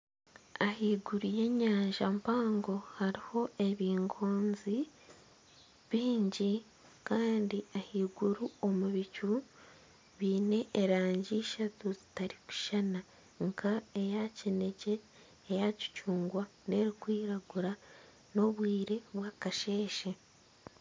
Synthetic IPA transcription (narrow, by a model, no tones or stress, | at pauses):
ahiːɡuɾuje̞ɲaːɲʒampaːŋɡo̞haɾiho̞e̞βiːŋɡoːnzi | βiːɲɟi | kaːndiahiːɡuɾuo̞muβicu | βiːne̞ʔːɾaːɲɟiːʃatuzitaɾiku̥ʃana | ŋkʰaejacine̞ce̞ː | jaci̥cuːŋɡwane̞ɾikwiːɾaɡuɾa | no̞βwiːɾe̞βwaːkaʃe̞ːʃe